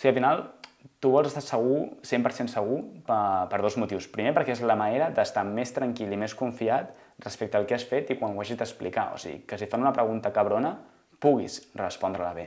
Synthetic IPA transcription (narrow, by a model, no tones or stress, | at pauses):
siəlˠfinalˠ | t̪uβɔlˠzəst̪asəɣ̞usempəɾsensəɣ̞upəpəɾðozmut̪iwspɾimepəɾkɛezləməneɾəd̪əst̪amest̪ɾəŋkilˠimeskuɱfiat̪ | rəspek̚t̪əːlˠkɛasfet̪ikwanwaʒizd̪əsplḭka̰o̰sḭɣḭkəsifanunəpɾəɣunt̪əkəβ̞ɾonə | puɣ̞ḭz̥rəspɔnd̪ɾələβ̞e